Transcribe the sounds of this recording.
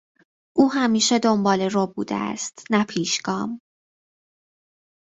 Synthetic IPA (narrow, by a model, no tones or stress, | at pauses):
ʔuːɦæmiːʃed̪ombɒːle̞robṵːd̪ḛæ̰st̪næpʰiːʃɡ̥ɒːm